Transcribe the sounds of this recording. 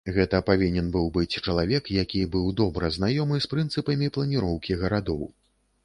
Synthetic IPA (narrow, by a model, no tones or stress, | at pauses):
ɣɛt̪ɐpavʲinʲɛnbɨwbɨt͡sʲt͡ʂɐlˠavʲɛkjakʲibɨwd̪ɔbɾɨznajɔmɨspɾɨnt̪sɨpɐmʲiplˠɐnʲiɾɔwkʲiɣɐɾad̪ɔw